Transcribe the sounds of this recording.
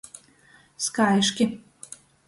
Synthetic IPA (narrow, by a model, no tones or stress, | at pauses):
skajʃkʲe